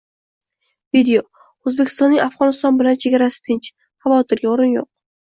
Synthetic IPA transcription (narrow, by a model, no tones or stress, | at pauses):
vid̪eo | ɵzbekʲʰɪst̪ɒnːɪŋʔafʁɒnɪst̪ɒnbɪlant͡ʃʰeɡʲaɾasɪ̥t̪ʰɪnt͡ʃ | χɑvɒt̪ʰɪɾɡʲaoɾɪnjoq̚